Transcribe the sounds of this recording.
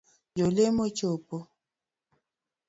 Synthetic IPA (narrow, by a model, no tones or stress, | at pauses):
jolemot͡ʃopo